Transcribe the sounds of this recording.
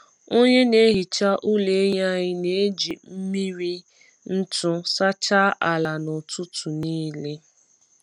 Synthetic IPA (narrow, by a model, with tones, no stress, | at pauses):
o˦ɲe˦ne˦ɦi˨t͡ʃa˦ʔu˦le˨˦ɲa˦ɲɪ˦ne˨e˦d͡ʒi˨m̩˦mi˦ɾi˦ | n̩˦tʊ˦sa˦t͡ʃa˦ʔa˨la˨nʊ˨tʊ˦tu˨niː˦le˦